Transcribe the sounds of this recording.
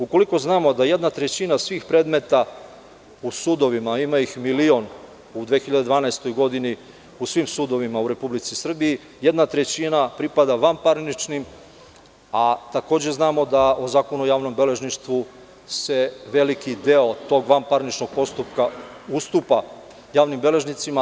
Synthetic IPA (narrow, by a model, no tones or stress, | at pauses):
uko̞liko̞znaːmo̞d̪aje̞d̪nat̪ɾe̞t͡ɕinasʋiːxpɾe̞ːd̪me̞t̪a | usud̪o̞ʋimaimaixmilio̞n | ud̪ʋexiʎad̪ed̪ʋaːnaest̪o̞jɡo̞d̪ini | usʋimsud̪o̞ʋimauɾe̞publit̪sisr̩biji | je̞d̪nat̪ɾe̞t͡ɕinapɾipad̪aʋampaɾnit͡ʃnim | at̪ako̞ːd͡ʑe̞znaːmo̞d̪aʔozaːkonojaːʋno̞mbe̞le̞ʒniʃt̪ʋu | se̞ʋe̞likid̪eo̞t̪o̞ɡʋampaɾnit͡ʃno̞ɡ̥̚po̞st̪upkaust̪upa | jaːʋnimbe̞le̞ʒnit̪sima